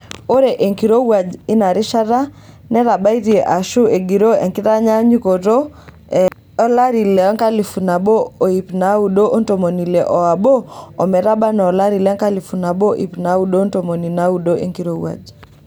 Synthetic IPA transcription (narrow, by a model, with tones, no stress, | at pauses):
o˦ɾe˨ʔe˨ŋki˨ɾo˦wa˨d͡ʒi˦na˨ɾɪ˦ʃa˦ɾa˦ | nɛ˦ɾa˨ba˦i˦ɾi˨ʔa˨ʃu˦e˨ɡi˨ɾo˦ḛ˨ŋki˦ɾa˦ɲa˦ɲi˦ko˨to˦ | ɔ˦la˦ɾi˨lɛ˨ɔ˦ŋka˦li˨fu˨na˨bo˦o˨i˨pna˨˦u˨ɗo˦ʔo˦nto˨mo˨ni˨lɛ˨ʔɔ˨a˨boː˦˨mɛ˨ɾa˦ba˦nɔ˨la˦ɾi˨lɛ˨˦ŋka˦li˨fu˨na˨bo˦ʔḭ˨pna˨˦u˦ɗo˦nto˨mo˨ni˨na˨˦u˨ɗo˦ʔḛ˦ŋki˨ɾo˦wa̰˨d͡ʒ